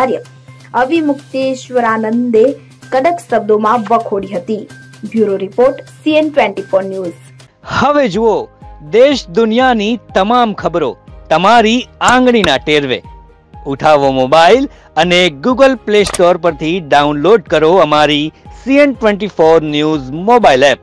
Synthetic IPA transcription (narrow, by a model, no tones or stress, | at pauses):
aɾjə | əʋimʊkt̪eʃʋəɾanənd̪e | kəɖəksəb̚d̪omãʋəkʰoɽiɦət̪i | bjuɾoɾipoɾʈsienʈʋẽɳʈifoɾnjuz | həʋed͡ʒuod̪eʃd̪ʊnijanit̪əmamkʰəbɾot̪əmaɾiãŋɡɳ̃inaʈeɾʋḛ | uʈʰaʋomobail | əneɡuɡəlplesʈoɾpəɾt̪ʰiɖaunloɖkəɾoəmaɾisienʈʋẽɳʈifoɾnjuzmobailɛp̚